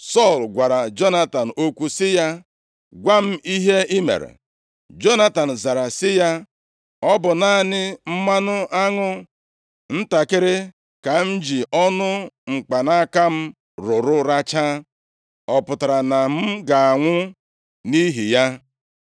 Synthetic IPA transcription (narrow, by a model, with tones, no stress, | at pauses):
sɔ˦˨lɡʷa˨ɾa˨d͡ʒo˦na˦ta˨n̩˨o˦kʷu˦sɪ˦ja˦ | ɡʷa˦m̩˦i˦ɦe˦ɪ˦mḛ˨ɾḛ˨ | d͡ʒo˦na˦ta˨n̩˨za˨ɾa˨sɪ˦ja˦ | ɔ˦bʊ˨na˦˨nɪ˦m̩˦ma˦nʊ˦ʔa˦ŋʊ˦ | n̩˦ta˨kɪ˦ɾɪ˦ | ka˨n̩˦d͡ʒi˨ʔɔ˦nʊ˦ŋ͡m̩˨k͡pa˨na˦ka˦m̩˦ | ɾʊ˨ɾʊ˦ɾa˦t͡ʃa˦ | ɔ˨pʊ˨ta˨ɾa˨na˨m̩˦ɡa˨a˨ŋʷʊ˦ | ni˦ɦi˨ja˦